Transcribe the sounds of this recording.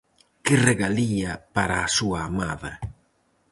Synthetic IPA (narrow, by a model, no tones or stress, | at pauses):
kɪreɣaliapaɾaːsuaːmaða̰